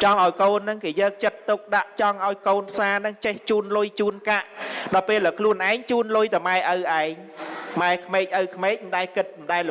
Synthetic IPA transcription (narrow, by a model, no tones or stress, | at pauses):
t͡ɕɑŋʔaɔjkoːnːɨŋkeːjəːk̚t͡ɕət̪ːuk̚ɗaʔt͡ɕɑŋʔaɔjkoːnpʰsaːnɨŋt͡ɕeht͡ɕuːnlʊjt͡ɕuːnkaʔɗɑlpeːlːəːkʰluənʔaɛŋt͡ɕuːnlʊjt̪ɨwmaɛʔəwʔaɛŋ | maɛkʰmeːk̚ʔəwkʰmeːk̚məɗaɛkɨt̪̚mɗaɛl